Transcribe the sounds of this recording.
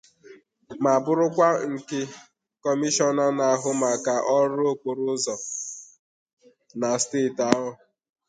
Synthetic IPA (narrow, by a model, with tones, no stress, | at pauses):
ma˨bʊ˦ɾʊ˦kʷa˦ŋ̩˨kɪ˦ | kɔ˦mi˦ʃɔ˦na˦na˨ɦʊ˦ma˨ka˨ʔɔ˦ɾʊ˦o˨k͡po˨ɾʊ˦zɔ˨ | na˨steː˦˨ta˦ɦɔ˦